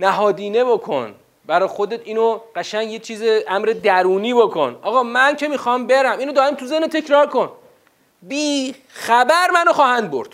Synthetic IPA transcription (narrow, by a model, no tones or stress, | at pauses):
næɦɒːd̪iːne̞bokʰo̰n | bæɾɒːjxo̞d̪et̪ʰiːnoɢ̥æʃæɲɟjet͡ʃʰiːzeʔæmɾed̪æɾuːniːbokʰo̞̰nɒːɣɒːmæncʰe̞miːxɒːmbeɾæmiːnod̪ɒːɾimt̪ʰuzehnet̪ʰe̞cʰɾɒːɾko̞n | biː | xæbæɾmænoxɒːhænd̪̚bo̰ɾd̪̥